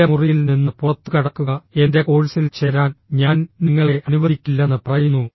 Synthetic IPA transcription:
ɐmurijilninːɨpurɐt̪ːukɐɽɐkːuɣɐe̞nde̞ko̞ːɻisilt͡ɕe̞ːɾaːnɲaːnniŋːɐɭe̞ʔɐnuʋɐðikʲːilːɐnːɨprɐjunːu

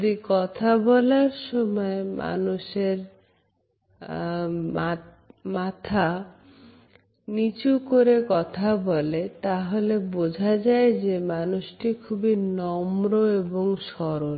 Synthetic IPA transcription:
d̪ikɔt̪ʰabɔlaɾʃɔmɔemʔa̰nuʃeɾ | mat̪ʰa | nit͡ɕukoɾekɔt̪ʰabɔlet̪aɦolebod͡ʑʱad͡ʑaed͡ʑemanusʈikʰubinɔmɾoeboŋʃɔɾon

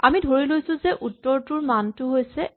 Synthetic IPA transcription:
a̰midʱoɹilojsʊ̃zɛʔutːɔɹtuɹmantʊɦojsɛ

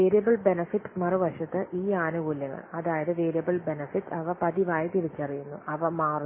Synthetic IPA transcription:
eːɾjɐbɐɭbenɐfiʈːmɐruʋɐʂɐt̪ːɨʔiːaːnuɡuːljɐɣɐ̰ɭɐðaːjɐðɨʋeːɾjɐbɐɭbe̞nɐfiʈːɐʋɐpɐðiʋaːjɐt̪iɽit͡ɕːɐrijunːṵʔɐʋɐmaːr

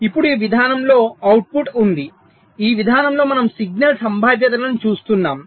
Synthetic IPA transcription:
ipːuɽuiʋid̪ʱaːnɐmlo̞ːɐwʈ̚puʈund̪i | iːʋid̪ʱaːnɐmlo̞ːmɐnɐmsiɡ̚nɐlsɐmbʱaːʋjɐt̪̬ɐlɐnut͡ʃuːst̪unːaːm

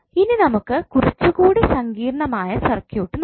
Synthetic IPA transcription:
ininɐmukːɨkurit͡ɕːuɣuːɽisɐŋɡiːrɐɳɐmaːjɐsɐrkjuːʈːɨn

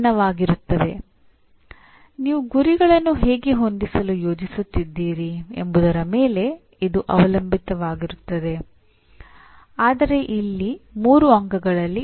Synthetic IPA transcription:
nɐʋaːɡiɾut̪ːɐd̪e̞̰ | niːʋuɡuɾiɡɐɭɐnːuɦeːɡeɦo̞nd̪isɐlujo̞ːd͡ʒisut̪ːid̪ːiːɾiḛmbud̪ɐɾɐmeːle̞ | id̪uʔɐ̰ʋɐlɐmbʱit̪ɐʋaːɡiɾut̪ːɐd̪e̞ | aːd̪ɐɾe̞ʔilːimuːɾuɐŋɡɐɡɐɭɐlːi

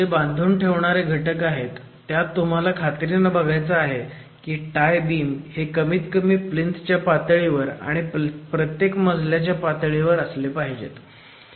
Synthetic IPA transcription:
d͡zeband̪ʱuːnʈʰeʋɳ̃aɾeɡʱəʈəkaɦet̪ː | jat̪ːum̤alakʰat̪ɾinəbʱəɡʱajt͡səaɦe | kiːʈajbiːmhekəmiːt̪kəmiːplint̪t͡ɕjapat̪ɭiʋəɾa̰ɽ̃ipɾət̪jekməd͡zʱljat͡ɕjapat̪ɭiʋəɾəslepaɦid͡ʑḛt̪

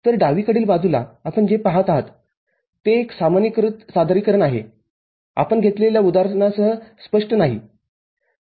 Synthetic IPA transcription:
t̪əɾɖaʋiːkəɽiːlbad͡zʱula̰apəɳd͡ʑepaɦat̪aɦat̪ː | eːksamanikɾut̪sad̪ʱɾiːkəɾənaɦḛ | a̰pəɳɡʱet̪leljaud̪aɾnasəɦəspəʂʈənaɦḭ

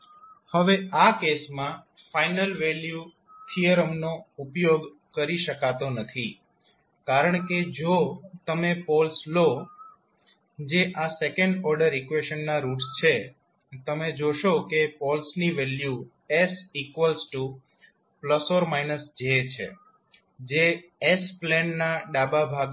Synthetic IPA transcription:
həʋeakesmã | fainəlʋelju | t̪ʰijəɾəmnoupjoɡ | kəɾiʃəkat̪onət̪ʰi | kaɾəɳ̃ked͡ʒot̪əmepɔlslo | d͡ʒeʔasekə̃ɳɖɔɾɖəɾikʋeʃənːaɾuʈst͡ʃʰe | t̪əmed͡ʒoʃokepɔlsniʋɛlju | esikʋəlsʈu | pləsoɾmainəsd͡ʒət͡ʃʰḛ | d͡ʒeesplɛnnaɖababʱaɡ

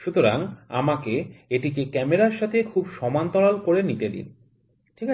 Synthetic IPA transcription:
ʃut̪oɾaŋa̰makeeʈikekɛmeɾaɾʃat̪ʰekʰubʃɔmant̪ɔlalkoɾenit̪ed̪ḭn | ʈʰik

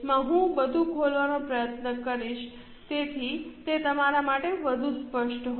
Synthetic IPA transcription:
mãɦũbəd̪ʱukʰolʋanopɾəjət̪nəkəɾiʃ | t̪et̪ʰit̪et̪əmaɾamaʈeʋəd̪ʱũspəʃʈɦ

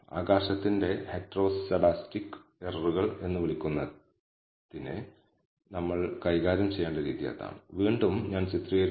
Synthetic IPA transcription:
a̰ːɡaːɕɐt̪ːinde̞heʈːro̞ːst͡ɕɐɽaːstikːɨ̥erruɣɐɭe̞nːuʋiɭikʲːunːɐ | ðinɨ | nɐmːɐɭkɐjɣaːɾɐmt͡ɕe̞jːaːɳɖɐɾiːðija̰ːt̪ːa̰ːmʋiːɳɖumɲaːnt͡ɕit̪rijɐɾ

